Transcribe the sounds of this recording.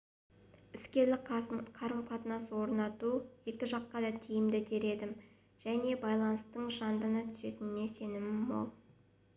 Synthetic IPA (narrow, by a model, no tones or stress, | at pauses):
ɪskʲe̞ɾlɪqʰɑɾʁəpʰɑt̪ənɑsəwo̞ɾnɑt̪uje̞kʲɪʒɑqːɑd̪ɑt̪ʲʰijɪmd̪ɪd̪e̞ɾe̞d̪ɪm | ʒ̥æne̞bɑjlˠɑnəst̪əɴʒɑnd̪ənət̪ʰʏ̥se̞t̪ɪnɪne̞se̞nɪmɪbo̞̰lˠ